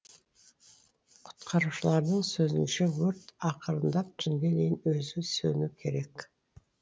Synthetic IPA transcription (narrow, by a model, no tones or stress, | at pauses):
qʰʊ̥t̪qʰɑɾuʃəlˠɑɾd̪əɴsɵzɪ̰nʃewɵɾt̪ɑqʰəɾənd̪ɑp̚t͡ʃʰɪŋɡʲed̪ejɪnɵzɪsɵnukʲʰe̞ɾekʲ